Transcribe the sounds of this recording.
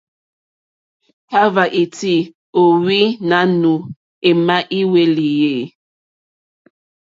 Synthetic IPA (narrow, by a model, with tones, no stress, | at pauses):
ka˦va˨ʔi˨ti˦ | o˨wi˦na˨˦nu˨ | e˨ma˦ʔi˦we˦li˨je˦˨